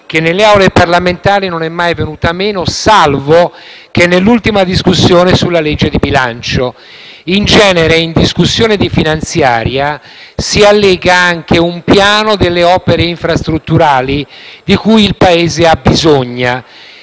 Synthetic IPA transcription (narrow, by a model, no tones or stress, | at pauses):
k̟enːelːeawleparlament̪aːɾinonɛmːajvenuːt̪ameːnosalvo | k̟enːelːult̪imad̪iskusːjoːnesulːaled͡ʒːed̪ibilant͡ʃo | ind͡ʒɛːneɾeind̪iskusːjoːned̪ifinant̪sjaːɾja | sialːɛːɡaaŋk̟eumpjaːnod̪elːeɔːpeɾeiɱfɾast̪ɾut̪ːuɾaːlid̪ikujilpaeːzeabizoɲːa